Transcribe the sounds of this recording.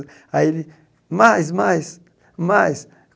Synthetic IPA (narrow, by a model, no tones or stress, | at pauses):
aili | majs̬majs | majs